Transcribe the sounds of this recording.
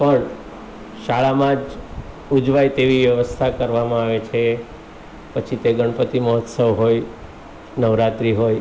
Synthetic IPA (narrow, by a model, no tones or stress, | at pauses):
pəɳ | ʃaɭamãd͡ʒ | ud͡ʒʋajt̪eʋiʋjəʋəst̪ʰakəɾʋamãaʋet͡ʃʰe | pət͡ʃʰit̪eɡəɳ̃pət̪iməɦɔt̪səʋɦoj | nəʋɾat̪ɾiɦoj